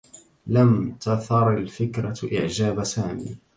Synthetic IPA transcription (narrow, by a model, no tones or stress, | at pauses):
lamt̪ɑθɑɾˤalfɪkɾaʔɪ̰ʕd͡ʒaːbasaːmḭː